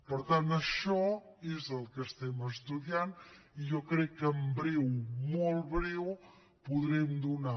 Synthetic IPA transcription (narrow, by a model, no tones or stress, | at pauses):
pəɾt̪ant̪əʃɔezəlˠkəst̪ɛməst̪uðianiʒɔkɾɛkːəmbɾɛwmɔlˠβɾɛw | puðɾɛmd̪una